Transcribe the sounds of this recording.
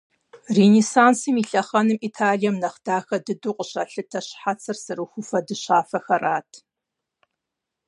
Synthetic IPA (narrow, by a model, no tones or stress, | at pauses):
renisaːnsɨmiɬɐχɐnɨmiːtʰaːɮijɛmnɐχd̥aːxɐdɨduːqʼəɕɐɬɨtʰɐɕħat͡sʰɐrsɨrɨxʷʊfɐdɨɕaːfɐxɐrʔaːtʰ